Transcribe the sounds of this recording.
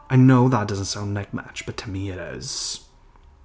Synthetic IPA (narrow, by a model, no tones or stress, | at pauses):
aɪnoʊðət̚d̥ʌzn̩tsãʊ̃ndːɛk̚mæ̰t͡ʃb̥ʌtʰɨmiɪɾɪ̰z̥